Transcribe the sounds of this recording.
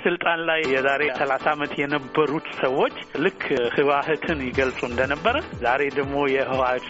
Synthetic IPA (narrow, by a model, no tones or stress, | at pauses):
sɨlt̪ʼanlajjɛzaɾe̞səlasamət̪jɛnəbːəɾut̪səwo̞t͡ʃːlɨkʰːhɨβahɨt̪ʰɨnjɪɡəlsʼuɨnd̪ənəbːəɾəzaɾe̞d̪əɡmo̞jɛhɨwa